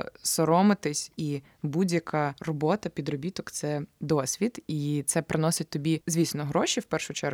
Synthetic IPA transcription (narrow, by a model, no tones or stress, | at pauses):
sɔɾɔmɪt̪ɪsʲi | budʲjɐkarɔbɔt̪ɐpʲid̪ɾɔbʲit̪ɔkt̪sɛd̪ɔsʲʋʲid̪it̪sɛpɾʔɪnɔsɪt̚ʲt̪ɔbʲizʲʋʲisʲnɔɦɾɔʃʲiwpɛrʃʊt͡ʃɛɾ